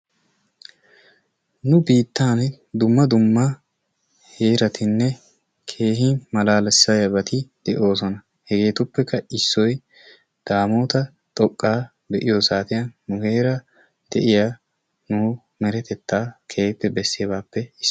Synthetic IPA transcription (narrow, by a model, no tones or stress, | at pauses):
nʊbiːt̪ːaːn | d̪ʊmːɐd̪ʊmːɐ | he̞ːɾɐt̪ʰɪnːɛ | kʰe̞ːɦɪmɐlaːlɛsːɐjɐbɐt̪ɪd̪̥ɛʔo̞ːs̬ɔnɐ | hɛɡe̞ːt̪ʊpːɛkːɐɪsːɔj | d̪̥aːmo̞ːt̪ɐ | t̪ʼɔkʼːaː | b̪ɛʔɪjosaːt̪ɪjɐnːʊhe̞ːɾɐ | d̪̥ɛʔɪja | nʊ | mɛɾɛt̪ɛt̪ːaːkʰeːhpːɛbɛsːɪɐbaːpːɛɪ